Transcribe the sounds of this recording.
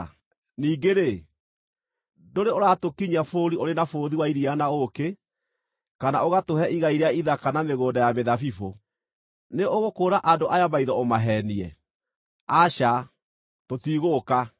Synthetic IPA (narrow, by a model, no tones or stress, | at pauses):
niːɡeɾe | doɾeoɾatokiɲafoːɾioɾenafoːðiwaiɾianaoke | kana̰ʔoɣatoɦɛʔiɣaiɾɛaiðakanameɣoːndajameðafifo | neoɣokoːɾaʔandoʔajamaiðɔomaɦɛniɛ̰ | aɕa | totiɣoka